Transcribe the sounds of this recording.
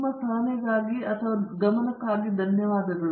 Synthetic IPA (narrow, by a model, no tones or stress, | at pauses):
mɐsaːneɡaːɡiɐt̪ʰʋɐɡɐmɐnɐkaːɡid̪ʱɐnjɐʋaːd̪ɐɡɐɭ